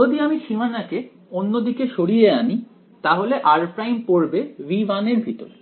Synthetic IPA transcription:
od̪iamiʃimanake | onːod̪ikeʃoɽijeani | t̪aɦoleʔaɾpɾajmpoɾbeʋibaneɾbʱit̪o̰l

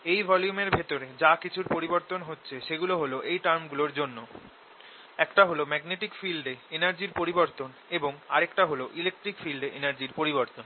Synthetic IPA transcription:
ejbʱɔljumeɾbʱet̪oɾed͡ʑakit͡ɕʰuɾpoɾiboɾt̪onɦotːɕʰeʃeɡuloɦoloʔejʈaɾmɡuloɾd͡ʑonːo | ɛkʈaɦolomɛɡneʈikfilɖeenaɾd͡ʑiɾpoɾiboɾt̪on | eboŋaɾekʈaɦoloʔilek̚ʈɾikfilɖeʔenaɾd͡ʑiɾpoɾiboɾt̪on

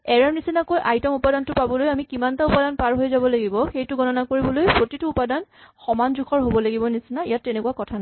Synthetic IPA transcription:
ɛɹaɹnisinakojʔajtɔmupadantʊpabɔlojamikimantaupadanpaɹɦojzabɔlaɡibɔxejtʊɡɔnɔnakoɹibɔlojpɹotituupadanxɔmanzukʰɔɹɦobɔlaɡibɔnisinaijatːɛnɛkuakɔtʰan

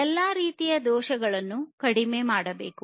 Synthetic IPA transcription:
ɛlːaːɾiːt̪ijɐd̪ɔːʃɐɡɐɭɐnːukɐɽimeːmaːɽɐbḛːku

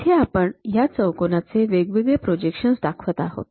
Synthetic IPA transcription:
t̪ʰeapəɳjat͡səwkonat͡seʋeɡʋiɡ̪epɾod͡ʑekʂənsd̪akʰʋət̪aɦo̰t̪

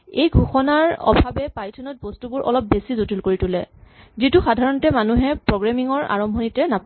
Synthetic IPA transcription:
ejɡʱuxɔnaɹɔ̰bʱabɛpajtʰɔnɔt̚bɔstubʊɹʔɔ̰lɔp̚besizutulkoɹitʊlɛ̰ | zituxadʱaɹɔntɛmanuɦɛpɹɔɡɹamiŋɔɹa̰ɹɔmbʱɔnitɛnap

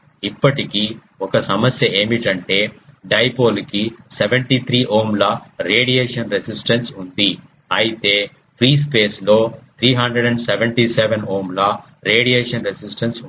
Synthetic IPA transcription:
ipːɐʈiki | ɔkɐsɐmɐsjɐe̞ːmiʈɐɳʈe̞ːɖɐjpoːlkiseʋeɳʈit̪ʰɾiːɦoːmlɐɾeːɽijeːʂɐnɾesisʈɐnsund̪i | ɐjit̪e̞ː | pʰɾiːspeːsloːt̪ʰɾiːɦɐɳɖɾeɖɐɳɖseʋeɳʈiseʋenɦoːmlɐ | ɾeːɽijeːʂɐnɾesisʈɐns

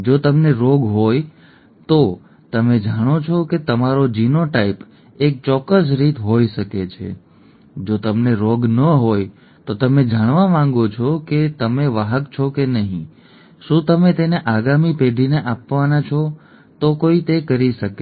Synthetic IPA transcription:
d͡ʒot̪əmneɾoɡɦoj | t̪o | t̪əmed͡ʒaɽ̃ot͡ʃʰɔket̪əmaɾod͡ʒinoʈaip | ek̚t͡ʃɔkːəs̬ɾit̪ɦoiʃəket͡ʃʰḛ | d͡ʒot̪əmneɾoɡnəɦoj | t̪ot̪əmed͡ʒaɽ̃ʋamãŋɡot͡ʃʰɔket̪əmeʋaɦəkt͡ʃʰɔkenəɦḭ̃ | ʃũt̪əmet̪eneʔaɡamipeɖʱineʔapʋanat͡ʃʰɔ | t̪okoit̪ekəɾiʃəke

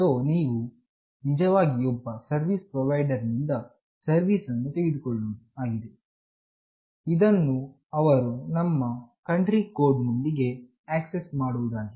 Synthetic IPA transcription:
soːniːʋu | nid͡ʒɐʋaːɡiɔbːɐsɐɾʋiːspɾɔʋɐjɖɐɾnind̪ɐ | sɐɾʋiːsɐnːut̪e̞ɡed̪ukoɭːoːd̪uaːɡid̪e̞ | id̪ɐnːu | ɐʋɐɾunɐmːɐkɐɳʈɾiko̞ːɾɖnund̪iɡe̞ | aːksesmaːɽuʋud̪aːɡi

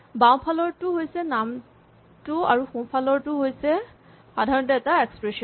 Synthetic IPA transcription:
bãw̃pʰalɔɹtʊɦojsɛnam | tʊa̰ɹuxũpʰalɔɹtʊɦojsɛ | xadʱaɹɔntɔɛtaɛkspɹesɔn

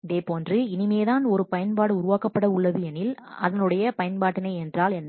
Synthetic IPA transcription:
ɪðeːpoːndrɯɪnɪmeːðaːnɔɾɯpɐjɐnpaːɽɯʊɾɯʋaːkɐpːɐɽɐʊɭːɐðɯɛnːɪlɐ̰ðɐnɯɽɐjɐpɐjɐnpaːʈːɪnɐɪɛndraːlɛn

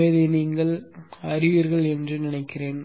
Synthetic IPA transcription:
ɐɪðɯniːŋɡɐɭɐɾɪʋiːɾɣɐɭɛndrɯnɪnɐɪkːɪreːn

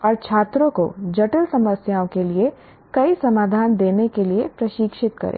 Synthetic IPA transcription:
ɔːɾt͡ʃʰaːt̪ɾõko̰d͡ʒɐʈəlsɐməsjaːõkelie | kɐisɐmaːd̪ʱaːnd̪eːnekeliepɾɐʃiːkʃɪt̪kɐ̰ɾḛ̃ː

